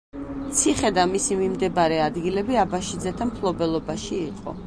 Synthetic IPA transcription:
t̪sʰiχɛd̪amisimimd̪ɛbaɾɛad̪ɡilɛbiabaʃid̪zɛt̪ʰampʰlˠɔbɛlˠɔbaʃiːqʼɔ̰

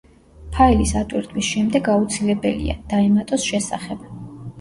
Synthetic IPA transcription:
pʰailisat̪ʼwiɾt̪ʰwisʃɛmd̪ɛɡaut̪sʰilɛbɛlḭa̰d̪̥aɛmat̪ʼɔsʃɛsa̰χɛb̥

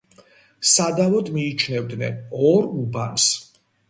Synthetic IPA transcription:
sad̪avɔd̪miːt͡ʃʰnɛvd̪nɛ̰nɔɾubans

